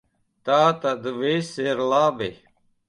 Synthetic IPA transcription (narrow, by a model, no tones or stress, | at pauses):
t̪aːt̪ɐd̪ʋeːseɾlaːbe